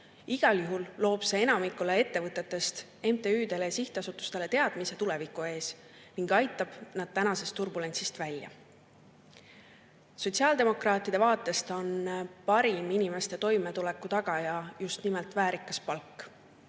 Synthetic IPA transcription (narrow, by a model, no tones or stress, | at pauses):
iɡ̥ɑljuɦulːo̞ːbse̞e̞nɑmikːule̞e̞t̪ːe̞vɤt̪ːˑe̞t̪ːˑe̞st̪ | e̞mt̪e̞yːd̪e̞lesiht̪ɑsut̪ːˑu̥st̪e̞le̞t̪e̞ɑd̪̥mise̞t̪ule̞vikˑue̞ːs | miŋɡ̥ɑjt̪ːˑɑb̥nɑd̪̥̚t̪ænɑse̞st̪ːurbule̞nsist̪vælʲjɑ̰ | so̞t̪ʲsiɑːld̪e̞mo̞krɑːt̪ːˑid̪̥e̞vɑːt̪ːˑe̞st̪o̞npɑɾiminime̞st̪e̞t̪o̞jme̞t̪ule̞kːut̪ɑɡ̥ɑjɑjust̪nimelt̪væːɾikːˑɑspɑlkːˑ